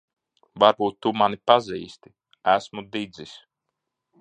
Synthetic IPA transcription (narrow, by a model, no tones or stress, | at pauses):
vaɾbuːt̪ːumanipaziːst̪i̥ | æsmud̪id̪zis